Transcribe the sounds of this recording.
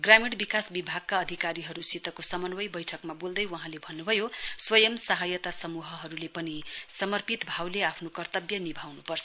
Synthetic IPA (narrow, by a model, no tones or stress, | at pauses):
ɡrameɽbikasbibʱaɡ̚kaʌd̪ʱikaɾiɦʌɾusit̪ʌkosʌmʌnwʌjbʌjʈʰʌkmabold̪ʌjwʌɦãlebʱʌnːubʱʌjoswʌjʌmsʌɦʌjʌt̪asʌmuɦʌɦʌɾulepʌnisʌmʌrpit̪bʱawleapʰnokʌrt̪ʌbjʌnibʱawnupʌrt͡sʰʌ